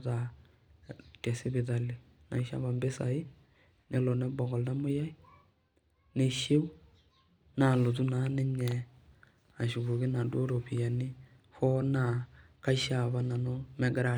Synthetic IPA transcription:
ta˨ | tɛ˨sɪ˦bɪ˨ta˨lɪ˨ | na̰˨˦ʃa̰˦ba˨mbe˦sa̰˨ɪ˦ | nɛ˨lo˨nɛ˦bɔ˨ɡɔ˨lda˦mʊ˦ja˦i˦ | ne˨ʃe˦w | na˨lo˨t̬u˦na˨˦nɛ˦ɲɛ˨ | a˨ʃu˨ɡu˨ɡɪ˦na˨du˦o˦ɾo˨pi˨ja˨ni˦ | fɔ˦na˨ | ka˦ʃa˨ba˨na˨no˦mɛ˨˦ɡɪ˦ɾa˨

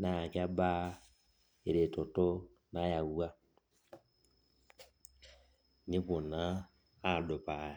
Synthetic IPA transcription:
na˨a˨ka˦ba˦ | e˨ɾe˨to˨to˦ | na˦ja˨wu˦a˦ | nĩ˦ku˨na˦ | a˦˨do˨pa˨

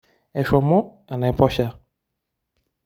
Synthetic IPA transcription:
ɛ˨ʃɔ˨mɔ˦ | a˨na˨ɛ˨pɔ˦ʃa˦

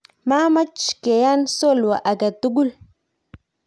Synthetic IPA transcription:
ma˦ma˦t͡ʃke˨ja˦nso˦˨lwa̰˨ʔa˨ɡa˨tu˦ɡu˦l

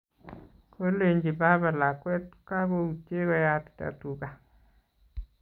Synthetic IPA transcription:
ko˦le˨ɲd͡ʒi˨ba˦ba˨la˨kwɛ˦tka˦ɡo˦u˨t͡ʃe˦ɣɔ˦ja˦tta̰˨tu˨ka˨

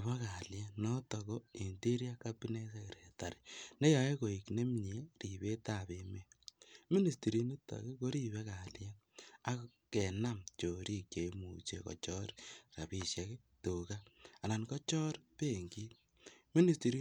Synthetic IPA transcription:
βa˦ka˨lja˦nɔ˦tɔ˨ɣɔ˦e˨nti˦ɾi˦a˦kapi˦ne˦se˦ke˨ɾe˨ta˨ɾe˨ne˦ja˨je˦ko˨i˨kne˦mɲe˦ri˨βe˦ta˨βe˨me˦mi˦ni˨sti˨ɾi˨ni˦ta̰˨ɣe˦ko˦ɾi˦βe˦ka˨ljɛ˦ | a˦ | ke˨na˦mt͡ʃo˨ɾi˦kje˨imṵ˨t͡ʃe˦kɔ̰˨t͡ʃɔ˦ɾɾa̰˨bi˨ʃja˨ke˦ | to˨ka˦a˨na˨nkɔ˦t͡ʃɔ˦ɾpe˦˨ŋɡi˦ | mi˦ni˨sti˨ɾi˦

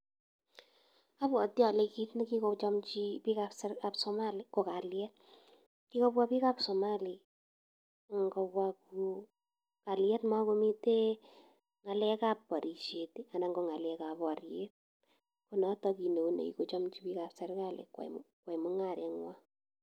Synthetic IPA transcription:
a˦pwɔ˨tja˨le˨˧ki˦tne˦ki˦ko˧t͡ʃɔ˦mt͡ʃipi˦kapsɛɾka˨psɔ˧maliko˨ka˨ljɛ˦t̚ | ki˦ko˦pwa˦pi˦kapso˨ma˦li˨ | ŋɡo˧pwa˧ku˨ | ka˨ljɛ˦tma˦ko˦mi˦te˦ | ŋa˨lɛ˦ka˦pːɔ˨ɾʔi˨ʃe˨ti˦a˨na˨ŋɡo˨ŋa˨lɛka˨pɔ˨ɾje˦t̚ | ko˨nɔ˦tɔ˧ki˨no˨u˦nḛ˨ḭ˨ko˨t͡ʃɔ˦mt͡ʃipi˦ka˨psɛ˦rka˦lḛ˨kwa̰˨kwa˨jmɔ˦ŋa˨ɾɛ˨ŋwa˦

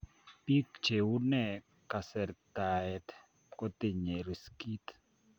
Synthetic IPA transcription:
pi˦kt͡ʃe˨wu˦nɛ˨ | ka˨sɛ˨ɾt̪a˨ɛ˨t̪ | kɔ˦t̪i˨ɲe˨ɾi˨ski˦t̪

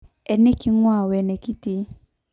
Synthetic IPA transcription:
ɛ˨ne˦ki˦ŋwa˦˨wɛ˨nɛ˨ki˦te˧

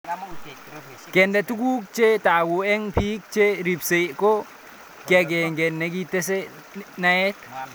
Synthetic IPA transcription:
kɛ˨nde˨tu˦ku˦k̚t͡ʃe˦ta˨ɡu˨ɛ˦ŋpiː˦k̚t͡ʃe˦ɾi˨pse˨ko˦ | ke˨ɡe˨ŋɡe˨nːe˦ɡi˦te˦s̬e˦ | na˦e˦t

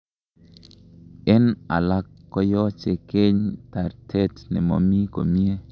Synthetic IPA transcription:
e˦na̰˨la˦kːɔ˦jɔ˦t͡ʃe˨ke˦ɲta˨ɾtʰe˦tnɛ˨mo̰˨mi˦ko̰˨mi˦e˦

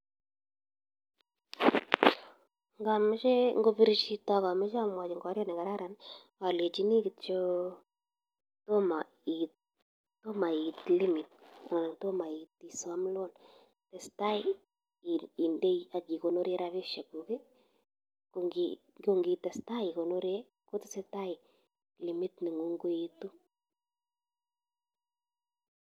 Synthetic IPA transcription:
ŋɡa˨me˦ʃɛ˦ŋɡo˦βi˦ɾi˦ʃi˦ta˨ɣa˨me˦ʃa˦mwa˨d͡ʒi˨ŋɡoa˨˦ɾjɔ˦nɛ˨ŋɡa˨ɾa˦ɾa˨ni | wa˨le˨d͡ʒi˦ni˦kit͡ʃo˦ | to˦ma˨ | i | to˦ma˨i˨tli˦mi˨ta˨na˨na˨to˦ma˨i˨ti˨sa˦m˦lo˦n | tɛ˨sta˦i˦ | i˨nde˦a˨ɡi˨ko˨no˦ɾe˦ɾa˦βe˦ʃa˨ɡu˨ɡe˦ | ɡi | ɡo˦ŋɡi˨tɛ˨sta˦i˨ko˨no˦ɾe˦ | ko˦tɪ˦sɛ˦ta˦i˨ | li˨mi˦tnɪ˨ŋu˦ŋɡo˦ji˦tu˦

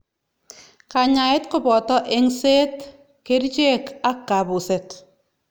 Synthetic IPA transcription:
ka˨ɲa˨e˦tkʊ˦bɔ˨tɔ˦ʔe˦ŋse˦t | ke˦ɾt͡ʃe˦ka˦kːa˨bu˨se˨t

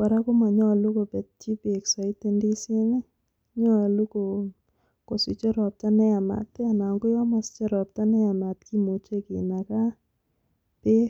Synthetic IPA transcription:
ka˨ɾa˦ko˦ma˨ɲɔ˦˨lu˦ko˨pɛ˨tt͡ʃi˦pe˨ksa˨ɪ˦te˦ndi˦sɪ˦ŋe˦ | ɲɔ˦˨lu˦ko˨ | ko˨si˨t͡ʃe˦ɾɔ˨p̚ta˦nɛ˦a˨ma̰˨t̚pɛ˦a˨na˨ŋɡʊ˦jɔ˦ma˨st͡ʃɛ˦ɾɔ˨p̚ta˦nɛ˦a˨ma˨tki˦mo˨t͡ʃe˦ki˨na˨ka˦ | pe˦

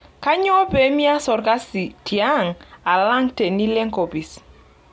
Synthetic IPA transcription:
ka˦ɲɔ˦bɛ˨˦mi˦a˦sɔ˨ɾka˦si˨tʰi˨a˦ŋa˨la˦ŋte˨ni˦lɛ˦ŋko˨bi˨s

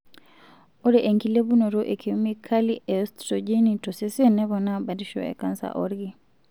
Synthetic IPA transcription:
o˦ɾɛ˨ʔe˨ŋki˨le˦bu˦no˨ɾo˦ʔe˨kʰi˨mi˦kʰa˦liʔɛɔstɾɔd͡ʒe˦ni˨tɔ˨se˦si˦nɛ˦βɔ˨naba˨di˦ʃɔ̰ɛ̰˨ka˦nsa̰˨ʔɔɾɡi˦

